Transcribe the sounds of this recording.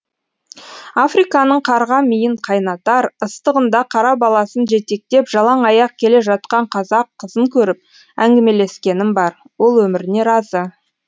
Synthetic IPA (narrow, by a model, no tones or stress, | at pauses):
afrijkɑnəɴqʰɑɾʁɑmijɪɴqʰɑjnɑt̪ɑɾəst̪əʁənd̪ɑqʰɑɾɑbɑlˠɑsənʒe̞t̪e̞k̚t̪e̞pʒ̥ɑlˠɑɴɑjɑq̚kʲʰe̞le̞ʒɑt̪̚qɑɴqʰɑzɑqʰːəzəŋkʲʰɵɾɪp̚ | æŋɡʲɪme̞le̞skʲe̞nɪmbɑɾ | wo̞lˠwɵmɪɾɪne̞ɾɑzə